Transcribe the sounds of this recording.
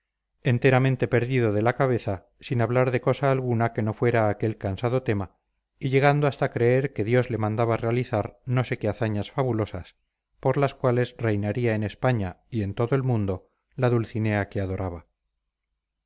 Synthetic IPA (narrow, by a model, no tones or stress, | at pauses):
e̞nt̪e̞ɾamẽnt̪e̞peɾðiðo̞ðe̞lakaβ̞e̞θa | sinaβlaɾðe̞ko̞saːlɣunake̞no̞fwe̞ɾaːke̞lkansað̞o̞t̪e̞ma | iʎe̞ɣ̞and̪oast̪akɾe̞eɾke̞ðjo̞zle̞mãnd̪aβarealiθaɾno̞se̞keaθaɲasfaβulo̞sas | po̞ɾlaskwale̞zre̞jnaɾiae̞ne̞spaɲaie̞nt̪o̞ðoe̞lmũnd̪o̞ | laðulθine̞akeað̞o̞ɾʔaβa